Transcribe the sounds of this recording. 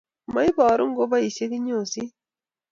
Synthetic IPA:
ma˨˦i˦bɔ˨ɾʊ˦ŋ˦ɡo˦ba˦i˨se˦ki˦ɲo˨si˦

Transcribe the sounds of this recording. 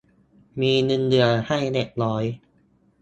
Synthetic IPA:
miː˧nɯ˧ndɯ˨˩əha˥˩jle˨˩k̚lɔː˦˥j

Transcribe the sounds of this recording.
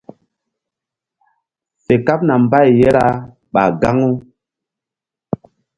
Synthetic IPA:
fe˨ka˦p̚na˨mba˦˨jːe˦ɾa˦ | ɓa̰˨ɡa˦ŋu˦

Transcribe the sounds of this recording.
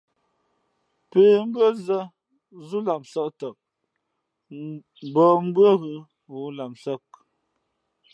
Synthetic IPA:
pe˨m̩˦bə˦zə˦ | zu˦la˨msə˦ʔtə˨k̚ | bɔ˨m̩˦bwə˦ɣʉ˨ | wu˨˦la˨msə˦˨k̚

